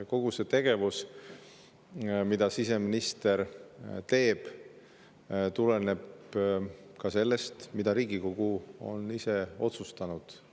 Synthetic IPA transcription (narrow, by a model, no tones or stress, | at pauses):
ko̞ɡ̥use̞t̪e̞ɡ̥e̞vus | mid̪ɑsise̞minist̪e̞rt̪e̞ːb̥ | t̪ulene̞b | kɑse̞lːe̞st̪mid̪ɑɾiːɡ̥ikoɡ̥uo̞̰nise̞o̞t̪sust̪ɑnud̪̥